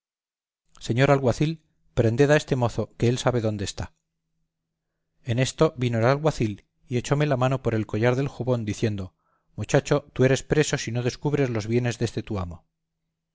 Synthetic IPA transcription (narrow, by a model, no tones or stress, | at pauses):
se̞ɲo̞ɾalɣwaθil | pɾe̞nd̪e̞ðae̞st̪e̞mo̞θo̞ke̞elsaβe̞ðo̞nd̪eːst̪a | e̞ne̞st̪o̞βino̞lalɣwaθil | ie̞t͡ʃo̞me̞lamano̞po̞ɾe̞lko̞ʝaɾðe̞lxuβo̞nd̪iθje̞nd̪o̞ | mut͡ʃat͡ʃot̪ue̞ɾe̞spɾe̞so̞sino̞ðe̞skuβɾe̞zlo̞zβje̞ne̞zðe̞st̪e̞t̪uamo̞